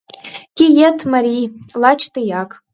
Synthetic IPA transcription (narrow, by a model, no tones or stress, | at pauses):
ɡʲijɛtʰmaɾʲilat͡ʃʰt̪ʰʼɨjakʼ